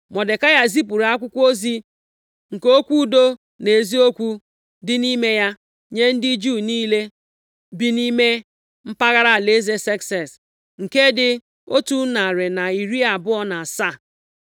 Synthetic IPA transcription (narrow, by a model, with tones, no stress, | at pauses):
mɔ˨de˨ka˦ja˦zi˦p̬u˨ɾa˦kʷʊ˦kʷo˦zi˦ | ŋ̩˨ko˦kʷu˦do˦ | ne˨zi˦o˦kʷu˦ | dɪ˦ni˦me˦ja˦ | ɲe˦n̩˦dɪ˦d͡ʒuː˦˨niː˦le˦ | bi˦ni˦me˦ | m̩˦pa˦ɣa˦ɾa˦˨le˦ze˦se˦ksɛ˨s | ŋ̩˨ke˦dɪ˦ | o˦tu˦na˨ɾe˨na˨i˨ɾi˦a˨bʊ˦ɔ˦na˨sa˦˨